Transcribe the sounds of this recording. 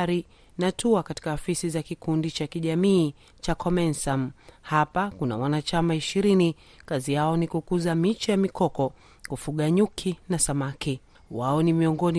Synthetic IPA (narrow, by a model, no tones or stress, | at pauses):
ɾi | natʰuakati̥kaɔfisizakikundit͡ʃakiʄamiː | t͡ʃakʰɔmɛnsamhapakuna̰wanat͡ʃamaiʃiɾini | kazijaɔnikukuzamit͡ʃajamikɔkɔ | kufuɠaɲukʰinasamaki | waɔnimiɔŋɡɔni